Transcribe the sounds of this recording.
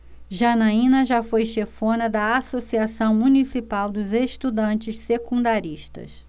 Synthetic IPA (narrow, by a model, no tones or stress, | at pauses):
ʒɐnaĩnɐʒafojʃefõnɐd̪ɐasosiasɐ̃w̃munisipawd̪ʊzeʃt̪ud̪ɐ̃nt͡ʃɪʃsekũd̪aɾiʃt̪ɐ̰s